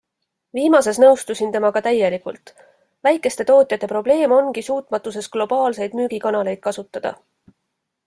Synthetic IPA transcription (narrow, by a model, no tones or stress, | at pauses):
viːmɑse̞snɤwst̪usint̪e̞mɑkɑt̪æjːe̞likult̪ˑ | væjkːˑe̞st̪e̞t̪o̞ːt̪ʲˑjɑt̪ːˑe̞pɾo̞ble̞ːmo̞nɡisuːt̪ˑmɑt̪ːˑus̬e̞sɡ̥lo̞b̥ɑːlse̞jd̪̥myːɡ̥ikɑnɑle̞jd̪̥̚kɑsut̪ːˑɑd̪̥ɑ̰